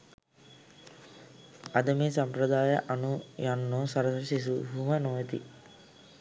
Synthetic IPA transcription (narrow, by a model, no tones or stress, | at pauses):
ɐd̪əmeːsɐmpɾɐd̪aːjə̰ʔɐnujanːoːsɐɾɐssis̬uɦumənuʋet̪ḭ